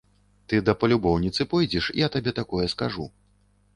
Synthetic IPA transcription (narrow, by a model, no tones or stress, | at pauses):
t̪ɨd̪ɐpɐlʲubɔwnʲit̪sɨpɔjd͡zʲɛʂḭɐt̪abʲɛt̪akɔjɛskaʐṵ